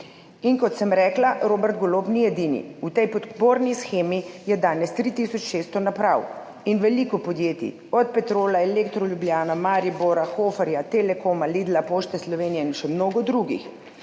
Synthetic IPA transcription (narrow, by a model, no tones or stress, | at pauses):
inkɔt̪sɛmɾɛːklaɾoːbɛɾt̪̚ɡolopniɛd̪inḭut̪ɛjpɔd̪poːɾnisxeːmijɛd̪aːnɛst̪ɾit̪isɔt͡ʃʃeːst̪ɔnapɾaw | inʋɛlikɔpɔd̪jeːt̪ḭ | ɔt̪̚pɛt̪ɾoːlaelekt̪ɾɔljubljaːnamaːɾiboːɾaxoːfɛɾjat̪elɛkoːmalid̪lapoːʃt̪ɛslɔʋeːnijɛinʃɛmnoːɡɔd̪ɾuɡḭx